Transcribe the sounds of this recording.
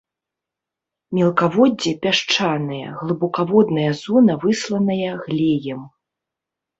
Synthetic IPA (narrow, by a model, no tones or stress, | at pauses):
mʲɛlˠkavɔd͡zʲːipʲaʂt͡ʂanɨjɐ̰ɣlˠɨbɔkavɔd̪nɐjɐzuɔnɐvɨslˠɐnɐjɐɣlʲejɛm